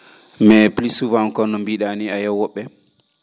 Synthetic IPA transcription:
mɛplisuvamkɔnːɔmbiɗaniajɔwɔɓːɛ

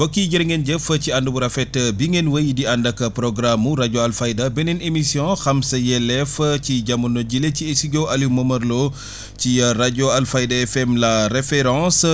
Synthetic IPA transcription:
bokːiɟɐɾiŋɛnd͡ʒəfəciandubuɾafɛtəbiŋenwəjdiandɐkɐpɾoɡɾamuɾaɟoalfaidabɛnɛnemisiɔ̃xamsɐjɛlɛfciɟamunoɟileciesiɟoalimɐmɐrlo | ciɾaɟoalfajdaɛfɛmlaɾefɛɾɑ̃s

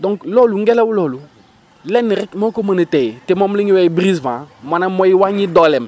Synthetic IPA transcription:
dɔ̃ŋklɔluŋ̩ɡɛlawulɔlu | lɛnːiɾɛkmokomənətɛjtemɔmliɲiwɛbɾizvãmanamɔjiwaɲidɔlɛm

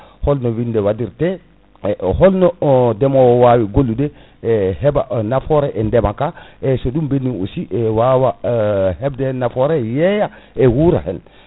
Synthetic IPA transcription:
hɔlnɔwindɛwadiɾtɛ | hɔlnɔdɛmɔwɔwawiɡolːudɛ | ɛhɛbanafɔɾɛʔɛndɛmakaɛsɔɗumbenːio̰siʔɛwawahɛbdɛnafɔɾɛjɛjaʔɛwuɾa̰hɛ̰n

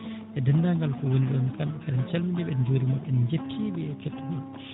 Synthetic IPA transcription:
ʔɛdɛndaŋɡalkɔwoniɗɔnkanɛkaɗɛnt͡ʃɛlmind͡ʒɛɓɛnd͡ʒoːɾimaɓɛnɲd͡ʒetʰːiɓɛɛketːumɔn

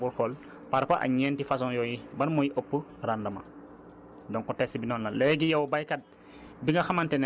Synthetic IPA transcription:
bulkol | paɾpaʔa̰ɲeːntifas̬ɔŋjojibɐnmojiʔopːəɾandɐmɐ̰ | dɔŋkɔtesibinɔːnlalɛɡijawbajkat̚ | biŋɡɐxamanten

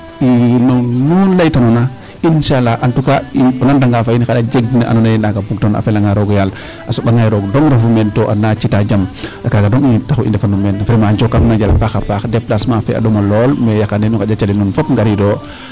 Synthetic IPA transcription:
inɔnunlajtanɔna | inʃalaʔantukaiɔnandaŋɡafainixadad͡ʒeɡnaʔa̰nɔnajnaɡabuk̚tɔna̰fɛlaŋaɾɔɡjal | ʔasoɓaŋajɾɔːɡdɔŋɾafumɛntɔʔanat͡ʃitad͡ʒamʔakaɡadɔŋitaxuʔḭndɛfanumɛnfɾimaɲd͡ʒɔkːamnaɟala̰faxapaxdɛplasmafɛ̰a̰dɔmalɔlmɛjakandɛnukad͡ʒat͡ʃalinunfapŋɡaɾidɔː

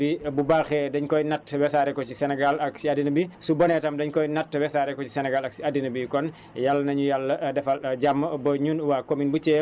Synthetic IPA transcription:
bibubaxɛdɐɲkɔjnatːwɛsaɾɛkɔcisɛnɛɡalɐksiadinɐbisubɔnɛtɐmdɐɲkɔjnatːwɛsaɾɛkɔci̥sɛnɛɡalɐksiadinɐbikɔn | jalːɐnɐɲujalːɐdɛfɐlɟamːəbɐɲunwaːkominbut͡ʃɛː

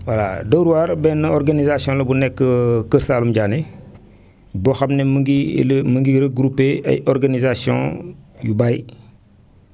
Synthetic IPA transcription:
wala̰doɾuwaːɾbɛnːɐɔɾɡanizasiɔ̃lɐbunɛkːəkəɾsaːlumɟaːne | bɔxamnemiməŋɡiɾəɡɾupːeɐ̰jɔɾɡanizasiɔ̰̃jubaj

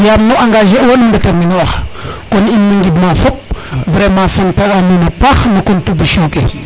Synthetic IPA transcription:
jamnuʔaŋɡaʒewonumdataminwaxkoninməŋɡidmafop̚vɾemãsantaɾaminapaxnakuntubiʃike

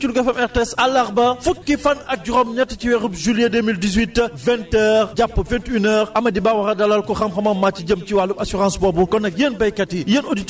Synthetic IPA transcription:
t͡ʃuluɡɐfɛmɛʁtɛsɐlːɐʁbɐfukːifɐnɐk̚ɟuɾɔmnɛtːɐciwɛxupʒylijedeːmildizwitːvɛ̃ntɛːɾɟapːɐfɛ̃ntynɛːɾʔɐmɐdibawɐxɐdɐlːɐlkɔxɐmxɐmɐmːat͡ʃːiɟɐm̚ciwalubɐsyʁãsbɔːbukɔnɐk̚jeːnbɐjkɐtːijenodit

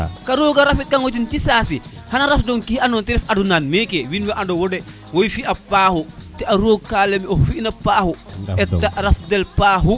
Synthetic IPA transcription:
kaɾoːɡaɾafit̚kaŋwot̬intisaːsi | hanaɾafdɔŋkihanɔːntɛɾɛfadunanmɛkewinweʔandowodɛ | wojfiʔapaːhutɛaɾoːɡ̚kaːlemiofinɐpaːhuɛtːaʔɾafdɛlpaːɦu

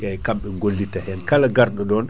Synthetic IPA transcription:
jajkamɓɛŋɡolːitahɛnkalaɡaɾɗɔɗɔːn

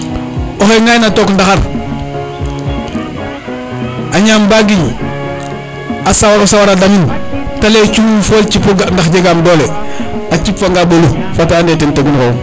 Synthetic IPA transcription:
oxeŋajnatoːkndaxaɾ | ʔaɲaːmbaɡiɲ | asawaɾosawaɾadamintalet͡ʃuufolt͡ʃipoɡandaxɟeɡamdɔːleat͡ʃipfaŋɡabolu | fateandetenteɡunkow

